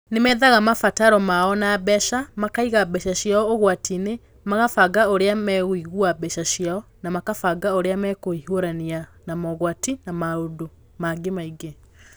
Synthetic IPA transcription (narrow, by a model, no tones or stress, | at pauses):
nemɛːðaɣamafataɾɔmaɔnabɛʃamakaiɣabɛʃaɕjaɔoɣwatine | maɣafaɡaoɾeamɛɣwiɣuabɛʃaɕjaɔ | namakafaɡaoɾeamɛkoihoɾanianamɔɣwatinamaodo | maɡemaiɡe